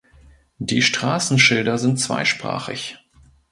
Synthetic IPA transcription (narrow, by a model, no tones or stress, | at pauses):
d̥iːʃtʁ̥aːsn̩ʃɪldɐzɪntt͡sv̥a̰ɪʃpʁ̥a̰ːχɪ̰ç